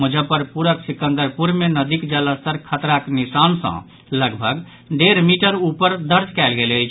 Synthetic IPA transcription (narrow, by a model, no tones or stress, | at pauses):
mud͡ʒʱəpəɾpuɾəksikə̃nd̪əɾpuɾmenəd̪ikd͡ʒələst̪əɾkʰət̪ɾaknisansə̰̃ | ləɡbʱəɡ | ɖeɾmiʈəɾupəɾd̪əɾd͡ʒkɛlɡeləjt͡ʃʰ